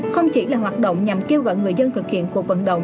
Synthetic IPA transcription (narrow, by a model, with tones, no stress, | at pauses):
xə˧wŋ͡mt͡ɕi˧˦laː˨˩ɦwaː˨˩t̚ɗo̰˧˨wŋ͡mɲa˨˩mke˧wɣɔ̰ː˧˨jŋɨ˨˩əjzə˧nt̪ʰɨ˨˩k̚hḭ˧˨ənku˧˩ək̚və̰˧˩nɗə̰˧˨wŋ͡m